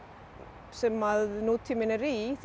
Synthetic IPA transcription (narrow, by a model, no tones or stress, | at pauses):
sɛmaðnot̪ʰimɪnəɾiθ